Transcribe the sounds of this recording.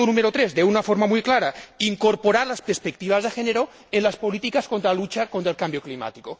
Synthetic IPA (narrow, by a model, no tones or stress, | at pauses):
onũmeɾot̪ɾezðeunafoɾmamujklaɾaiŋkoɾpoɾaɾlaspeɾspek̚t̪iβazðexeneɾo | enlaspolit̪ikaskont̪ɾaalut͡ʃakont̪ɾaelkambjoklima̰t̪iko